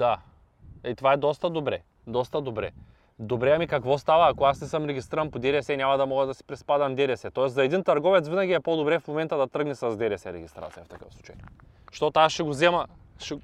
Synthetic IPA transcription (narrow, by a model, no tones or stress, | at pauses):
d̪a | it̪ovaɛd̪ɔst̪ɐd̪obɾɛ̰ | d̪ɔst̪ɐd̪obɾɛ̰ | d̪obɾɛamikakvɔst̪avɐːkoasnɛsəmɾɛɡʲist̪iɾɐnpod̪ɛɾɛsɛnʲamad̪ɐmɔɡɐd̪ɐsi̥pɾɛspad̪ɐmd̪ɛɾɛsɛt̪ɔɛsɐɛd̪int̪ɐɾɡɔvɛt̪svinaɡʲiɛpod̪obɾɛfmomɛnt̪ɐd̪ɐt̪ɤɡnisɐzd̪ɛɾɛsɛɾɛɡʲist̪ɾat̪sijɐft̪ɐkəfˠut͡ʃɐ̰j | ʃt̪ɔt̪aʃɛɡozɛmɐʃɛ